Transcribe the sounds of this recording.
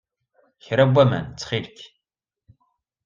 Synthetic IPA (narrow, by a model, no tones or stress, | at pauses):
çɾɐbʷɐmɐ̰nt͡sʰχiːrkʲʰ